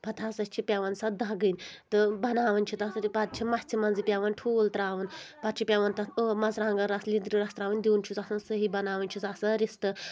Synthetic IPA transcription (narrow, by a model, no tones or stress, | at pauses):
pɐt̪ʰaːsɐsʲt͡ʃʰipʲaʋɐnsɐd̪ɐɡɨnʲt̪ɨbɐnaːʋɐnt͡ʃʰit̪ɐsɐɾipɐd̪̚t͡ʃʰimɐsʲt͡sʰimɐnzipʲaʋɐnʈʰuːlt̪ɾaːʋɐnpɐd̪̚t͡ʃʰipʲaʋɐnt̪ɐmɐzɾaɦɐŋɡɐɾɐslʲind̪ɾiɾɐst̪ɾaːʋɐnʲd̪iːnʲt͡ʃʰuzɐsɐnsəɦibɐnaːʋɐnʲt͡ʃʰuzɐsɐɾist̪ɨ